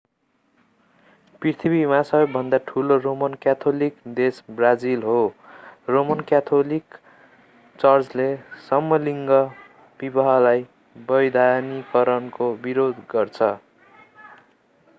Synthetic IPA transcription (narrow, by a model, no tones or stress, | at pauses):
prirt̪ʰibimasʌbʌb̚bʱʌnd̪aʈʰuloromʌnkjat̪ʰolikd̪esbrad͡zilɦoromʌnkjat̪ʰolik | t͡sʌrd͡zlesʌmːʌliŋɡʌ | b̥ibʌɦʌlaj | bʌjd̪ʱanikʌɾʌnkobiɾod̪ɡʌrt͡sʰʌ